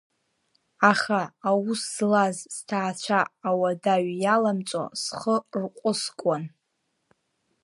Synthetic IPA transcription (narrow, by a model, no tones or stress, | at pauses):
aχaːwusːlazztʰaːt͡ɕʷʰaːwadaɥjalamt͡sʼo̰sχərqʷʼʊskʷʼɔn